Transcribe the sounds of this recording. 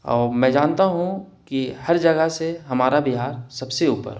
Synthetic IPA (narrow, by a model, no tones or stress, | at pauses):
ɔːɾmɛ̃ːd͡ʒãːnt̪aɦũkihɐɾd͡ʒɐɡəseɦɐmaːɾabiɦaːɾsɐbseuːpə̰ɾ